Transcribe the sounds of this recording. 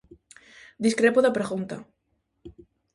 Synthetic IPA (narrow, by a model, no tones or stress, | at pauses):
d̪iskɾepoðapɾeɣunt̪a